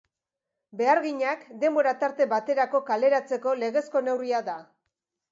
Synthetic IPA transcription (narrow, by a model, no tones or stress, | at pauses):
be̞aɾɣiɲakd̪e̞mbo̞ɾat̪aɾt̪e̞bat̪e̞ɾako̞kale̞ɾat͡se̞ko̞le̞ɣe̞sko̞ne̞wriaða